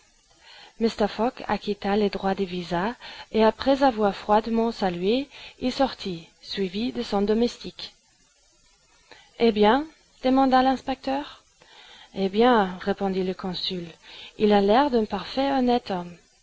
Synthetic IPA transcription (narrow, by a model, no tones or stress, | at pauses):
mist̪ɛʁfɔka̰kʲit̪aled̪ʁwad̪evizaeapχɛzavwaʁfχwad̪mɑ̃salɥeilsɔʁt̪ʰi | sɥivid̪əsɔ̃d̪ɔmɛst̪ik | ebjɛ̃ | d̪̥əmɑ̃d̪alɛ̃spɛk̚t̪œːʁ | ebjɛ̃ʁepɔ̃d̪iləkɔ̃sylilalɛʁd̪ɛ̃paʁfɛɔnɛt̪ɔm